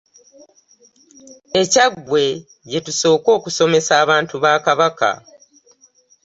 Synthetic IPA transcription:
e̞caɡwe̞ | ɟe̞tuso̞ːko̞ːkuso̞me̞saːβaːntuβaːkaβaka̰

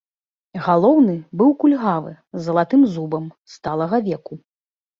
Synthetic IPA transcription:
ɣalˠɔwnɨbɨwkulʲɣavɨ̰ | zːɐlˠat̪ɨmzubɐmst̪alˠɐɣɐvʲɛku

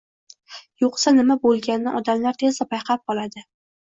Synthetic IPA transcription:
joqsanɪmabolˠɡʲanːɪ̰ʔɒd̪amlaɾt̪ʰezd̪apʰajqʰɑp̚qʰɒlˠad̪ɪ

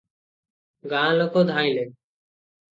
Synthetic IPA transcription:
ɡãːlokoːd̪ʱaːĩːleː

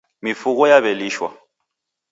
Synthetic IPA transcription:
mifukɔjaβɛliːʃwa̰

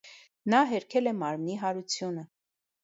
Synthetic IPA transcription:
nɑɦɛɾkʰɛlɛmɑɾmniɦɑɾut͡sʰjunə

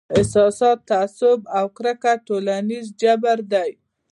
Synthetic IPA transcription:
ɪsɑsɑt̪ːaːsʊbawkɾakaʈolanizd͡ʒabaɾd̪aj

